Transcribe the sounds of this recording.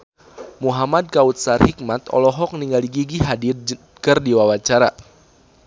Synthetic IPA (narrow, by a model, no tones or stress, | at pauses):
muɦamad̚kaut̪̚sarhik̚mat̪ɔ̰lɔɦɔk̚niŋɡaliɡiɡiɦadi | kərdiwawat͡ʃaɾa